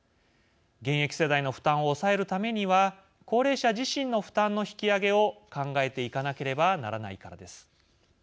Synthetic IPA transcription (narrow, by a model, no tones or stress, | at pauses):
ɡẽ̞ɰ̃e̞kʲi̥se̞d̪aino̞ɸɯ̟̥t̪ãɰ̃o̞ːsae̞ɾɯ̟t̪ame̞ɲ̟iβa | ko̞ːɾe̞ːɕaʑiɕĩnːo̞ɸɯ̟̥t̪ãnːo̞çi̥kʲiaɡe̞o̞kãŋɡae̞t̪e̞ikanake̞ɾe̞banaɾana̰ikaɾa̰d̪e̞sɨ̥